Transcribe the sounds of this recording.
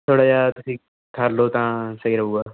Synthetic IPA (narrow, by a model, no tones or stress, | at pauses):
t̪ʰoːɽaːd͡ʒaːt̪ʊsĩː | kʰəɾloːt̪ãːsəiɾɐuaː